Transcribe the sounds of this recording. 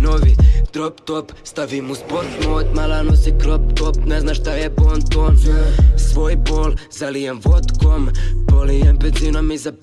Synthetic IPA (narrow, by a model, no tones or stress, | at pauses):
novid̪̥ɾopt̪opst̪avimuzbot̪mot̪malanosikɾop̚t̪opnɛznaʃt̪ajɛpont̪onsvojbolzalijɛmvot̪kombolijɛmpɛzinomizap